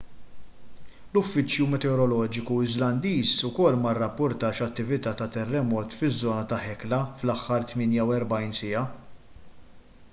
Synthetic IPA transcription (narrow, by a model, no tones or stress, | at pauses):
lʊfːɪt͡ʃjumɛt̪ɛɔɾɔlɔːd͡ʒɪkuɪzlɐnd̪iːsʊkɔlːmɐrːɐpːʊɾt̪ɐːʃɐt̪ːɪvɪt̪ɐːt̪ɐt̪ɛrːɛmɔːt̪fɪzːɔːnɐt̪ɐħɛklɐflɐħːɐɾt̪mɪːnjɐwɛɾbɐjnsɪjɐ